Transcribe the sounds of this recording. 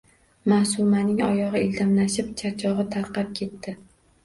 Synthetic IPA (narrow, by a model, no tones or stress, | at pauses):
masʊmanɪŋɒjɒʁɨild̪amlaʃɪpt͡ʃʰat͡ʃʰɒʁɨt̪ʰaɾqɑp̚kʲʰe̞t̪ːɪ